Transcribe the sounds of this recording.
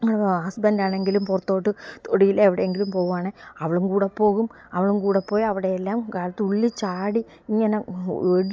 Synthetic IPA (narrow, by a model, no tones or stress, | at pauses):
asbɐndaːɳe̞ŋɡilumpurɐt̪ːo̞ːʈːɨt̪ʰoɽijileːʋiɽeeŋɡilumpo̞ːɣuaːɳɨɐʋɐɭumkuːɽepːo̞ːɣum | ɐʋiɭumkuːɽepːo̞ːjɐʋiɽe̞elːaːmkaːlɐt̪ːɨuɭːit͡ɕaːɽi | iŋːɐneeɽ